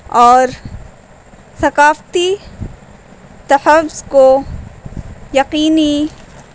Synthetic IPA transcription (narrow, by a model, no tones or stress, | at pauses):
ɔːɾ | sɐqaːft̪i | t̪ɐħɐfz̥ko | jɐqiːni